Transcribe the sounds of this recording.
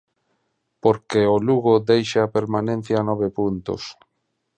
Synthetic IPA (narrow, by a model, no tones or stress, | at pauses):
poɾkeoluɣod̪ejʃaːpeɾmanẽn̟θjaːnɔβ̞epunt̪o̰s